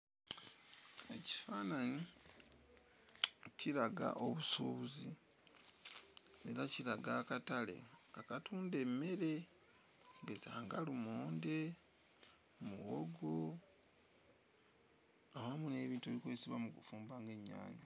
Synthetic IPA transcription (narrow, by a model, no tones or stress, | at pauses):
eci̥faːnani | ciɾaɡa̰ʔo̞βusoβuzi | e̞ɾaciɾaɡaːkatale̞̰akatuːndemːe̞ɾe̞ | bezaːŋɡalumoːnde̞ | muwoɡo | ahamune̞ːβiːntuelikwesiβamukufuːmbaːŋɡe̞ɲːa̰ːɲa